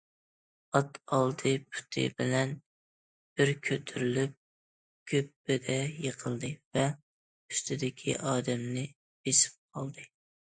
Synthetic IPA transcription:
ɑt̪ɑlˠd̪ɨpʰu̥t̪ʰɨ̰bɪlɛn | b̥ɪɾkʲʰøt̪ʰyɾylyp̚ | kʲʰøp̚b̥ed̪ɛjəqʰəlˠd̪ɨvɛ | yst̪ʰɪd̪ɪkʲʰḭʔɑːd̪ɛmnɪ | besɪ̥p̚qʰɑlˠd̪ɨ

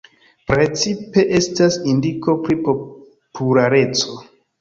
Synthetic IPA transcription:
pɾe̞t͡sipe̞ʔe̞stasindiko̞pɾipo | pʰulaɾe̞t͡so̞

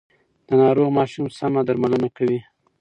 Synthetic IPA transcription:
d̪̥ənɑɾoɣmɑʃumsamad̪aɾmalənakawi

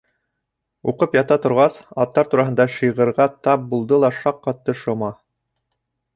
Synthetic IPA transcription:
uqɤpjɑt̪ɑt̪ŏɾʁɑsɑt̪ːɑɾt̪uɾɑɦɤ̆nd̪ɑʃɤ̆jʁɤ̆ɾʁɑt̪ɑp̚bulˠd̪ɤlˠɑʃɑqːɑt̪ːɤʃŏmɑ

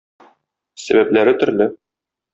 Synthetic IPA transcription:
sæ̰bæplæɾɘt̪ɵ̆ɾlɘ

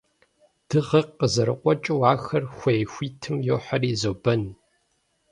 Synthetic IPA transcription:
d̥ɨʁɐəzɐɾɨqʷʼɔt͡ʃʼɪwaːxɐrxʷɐjxʷiːtʰɨmjoːħɐriːzoːbɐn

